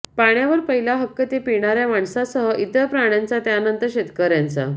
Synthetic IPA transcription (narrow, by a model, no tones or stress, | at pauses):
paɳjaʋəɾpəɦilaɦəkːət̪epiɳ̃aɾjamaɳsasəɦəʔit̪əpɾaɳjant͡sat̪jaːnənt̪əɕet̪kəɾjant͡sa̰